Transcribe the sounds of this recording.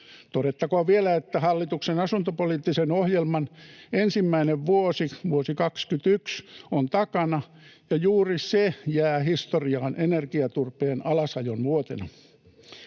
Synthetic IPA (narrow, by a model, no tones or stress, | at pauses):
t̪oɾet̪ːɑkoɑʋielæet̪ːæhɑlːit̪uksenɑsunt̪opoliːt̪ːisenohjelmɑnensimːæineʋʋuosiʋuosikɑkskyt̪yksont̪ɑkɑnɑ | jɑjuːrisejæːhist̪oriɑːnʔenerɡiɑt̪urpeːnɑlɑsɑjonʋuot̪enɑ̰